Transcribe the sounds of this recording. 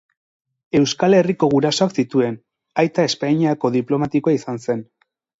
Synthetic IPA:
e̞wskale̞riko̞ɣ̞uɾaso̞aksit̪ue̞n | ajt̪ae̞spaiɲako̞ðiplo̞mat̪ikoaisanse̞n

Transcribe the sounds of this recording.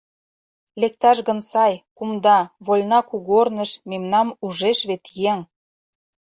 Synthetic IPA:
lek̚t̪ɑʃɣə̆nsɑjkumd̪ɑβolʲnɑkuɣornə̆ʃmemnɑmuʒeʃβet̪jeŋ

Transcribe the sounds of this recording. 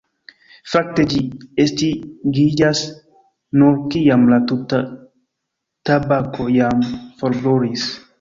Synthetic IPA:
fak̚t̪ed͡ʒiest̪iɡid͡ʒas | nuɾkijamlat̪ut̪a | t̪abakojamfoɾboɾis

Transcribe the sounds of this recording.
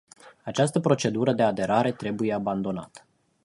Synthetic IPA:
at͡ʃast̪əpɾo̞t͡ʃe̞d̪uɾəd̪e̞ad̪e̞ɾaɾe̞t̪ɾe̞buje̞aband̪o̞na̰t̪ə̥

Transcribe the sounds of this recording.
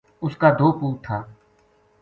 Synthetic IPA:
ʊskaːd̪oːpuːk̚t̪ʰaː

